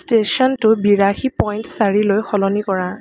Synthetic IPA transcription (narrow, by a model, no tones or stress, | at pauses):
stesɔntʊbiɹaxipɔjntsaɹilojxɔlɔnikɔɹã